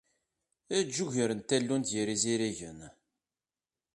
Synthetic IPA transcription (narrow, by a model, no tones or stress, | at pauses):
æd͡ʒːuʝəɾənt̪ælːunt̪jəɾiziɾiʝən